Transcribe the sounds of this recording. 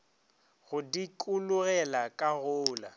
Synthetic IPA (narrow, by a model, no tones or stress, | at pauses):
ɣʊdikʼulʊɣɛlakʼaɣʊːla̰